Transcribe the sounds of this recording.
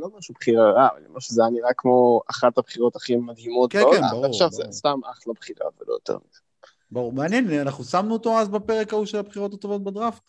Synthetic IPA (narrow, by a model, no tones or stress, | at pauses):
lo̞maʃubχiʁaʁava̰lḭmaʃezeaniʁakːmo̞aχat̪abχiʁo̞t̪aχimad̪ɦimo̞t̪̚keoa̰aχʃavzest̪amaχlabχiʁa̰vḛlo̰jot̪ḛʁmḭd̪a | baʁumeanjenanaχnusamnuot̪o̞azbape̞ʁekauʃelabχiʁo̞t̪at̪o̞vo̞t̪̚bad̪ʁaf